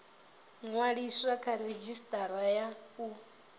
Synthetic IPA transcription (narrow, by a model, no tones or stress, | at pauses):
ŋwaɺiswakʰaɾed͡ʒistʼaɾajau